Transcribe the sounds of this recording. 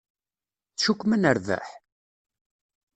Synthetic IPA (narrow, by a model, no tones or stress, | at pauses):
θʃukʷːmənəɾvæ̰ħ